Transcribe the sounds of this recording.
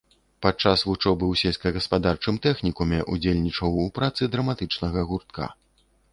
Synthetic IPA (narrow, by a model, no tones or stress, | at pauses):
pat͡ʂasvut͡ʂɔbɨwsʲelʲsʲkɐɣɐspad̪art͡ʂɨmt̪ɛxnʲikumʲɛʔud͡zʲelʲnʲit͡ʂɐwupɾat̪sɨd̪ɾɐmat̪ɨt͡ʂnɐɣɐɣurt̪̚ka̰